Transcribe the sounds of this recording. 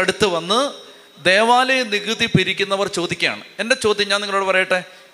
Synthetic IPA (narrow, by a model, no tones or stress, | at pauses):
ɐɽut̪ːɨʋɐnːɨ | d̪eːʋaːlɐjeniɣɨðipiɾikʲːunːɐʋɐrt͡ɕo̞ːd̪ikʲːɐja̰ːɳɨe̞nde̞t͡ɕo̞ːd̪jɐɲaːniŋːɐɭoːɽɨpɐrɐjiʈːe